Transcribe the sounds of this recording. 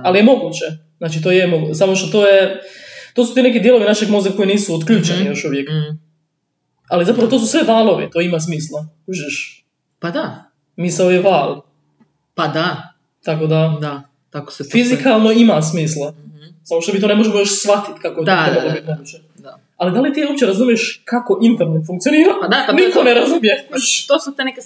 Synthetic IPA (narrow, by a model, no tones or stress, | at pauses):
alije̞mo̞ɡuːt͡ɕe̞znaːt͡ʃit̪oːjemoɡusamoʃt̪ot̪oːjet̪osu̥t̪iːnek̬id̪je̞lo̞ʋinaʃeɡmozako̞jiniːsuot̪kʎuːt͡ʃennijo̞ʃuʋjek | alizapɾaʋot̪os̬usʋeʋaːlˠo̞ʋḭt̪o̞imas̬miːslˠa | uʒeʃ | pad̪a | misaojeʋaːlˠ | pad̪a | t̪ako̞d̪ad̪a | t̪ako̥sefizikalˠno̞imas̬miːslˠasamoʃt̪o̞mit̪o̞nmo̞ʒemojoʃsʋat̪it̪kakoet̪oebad̪omit̪nemot͡ʃe | d̪a | alid̪alit̪iːop̚t͡ɕe̞ɾazumijeʃkako̞ʔint̪ɛɾnefuŋk̚t̪ioniːɾanikoneɾazumjeʃt̪oːsut̪eneke